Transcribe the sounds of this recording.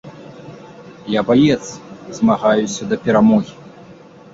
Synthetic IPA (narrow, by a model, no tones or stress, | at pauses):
jabajɛt̪sɐzmaɣajusʲɐd̪ɐpʲɛɾamɔɣʲi